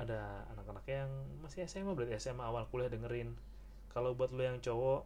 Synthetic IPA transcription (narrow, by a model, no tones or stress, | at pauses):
adaa̰nakanakajaŋmasiasemabəɾat̪jasemaːwalkulɛhdəŋəɾɪn | kalobuat̪̚lujaŋt͡ʃowɔ